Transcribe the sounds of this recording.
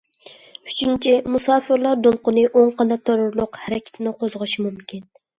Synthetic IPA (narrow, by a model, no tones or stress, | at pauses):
yt͡ʃʰynt͡ʃʰimusɑːfɨɾlˠɑɾd̪olˠqʊnɨʔoŋqɑnɑt̪ʰoɾʊɾlˠʊqhæɾɛkʲʰɪ̥t̪ʰɪnɨqʰozʁɨʃimumkʲin